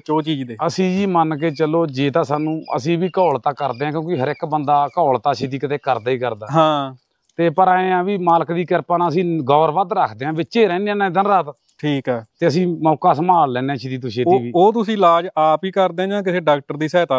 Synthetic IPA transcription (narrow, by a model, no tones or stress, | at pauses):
t͡ʃoːt͡ʃiːd͡ʒd̪eːəsĩːd͡ʒiːmənkeːt͡ʃəloːd͡ʒeːt̪ãːsaːnũːə̰sĩːʋiːkɔːlt̪aːkəɾd̪eːɦãːkjõːkiɦəɾɪkbənd̪aːkɔːlt̪aːsiːt̪̬iːkət̪eːkəɾd̪aːiːkəɾd̪aːɦãː | t̪eːpəɾaːẽːãːʋiːmaːləkd̪iːkəɾpaːnaːəs̬ĩːɡɔːəɾʋəd̪ɾəkʰd̪eːɦãːʋɪt͡ʃeːɾɛ̃ːneãːnãːd̪ənɾaːt̪ | ʈʰiːkɛːt̪eːəsĩːmɔːkaːsəmaːlːɛ̃ːneãːʃɪd̪iːt̪̬ʊʃeːt̪ːʋiːoːt̪̬ʊsĩːlaːd͡ʒaːpiːkəɾd̪eːãːd͡ʒãːk̬ɪseːɖaːk̚ʈəɾd̪iːsɛːt̪aː